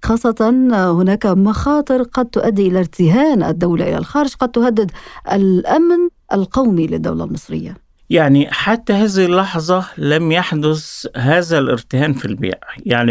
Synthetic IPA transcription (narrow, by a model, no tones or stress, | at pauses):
xɑːsˤːɑt̪ɑnhʊnaːkamɑxɑːt̪ˤɨɾqɑd̪̚t̪ʊʔad̪ːiʔɪlaɾt̪ɪhaːnʔa̰d̪ːawlaʔɪla̰lxɑːɾɪʒqɑd̪̚t̪ʊhad̪ːɪd̪ʔalʔamnʔa̰lqɑwmilɪd̪ːa̰wla̰lmɨsˤɾɪ̰jːa | jaʕniħat̪ːahaːzɪhɪlːɑħzˤɑlamjaħd̪ʊshaːzalɪ̰ɾt̪ɪhaːnfilbḭːʕjaʕni